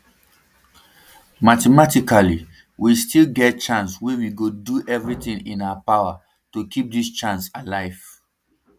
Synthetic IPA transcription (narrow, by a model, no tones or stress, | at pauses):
matɛmatikali | wistʰilɡɛt̚t͡ʃãnswewiɡoduʔɛvɹitĩŋḭ̃naʊapaʊa | tukʰip̚dist͡ʃãnsalaɪv̥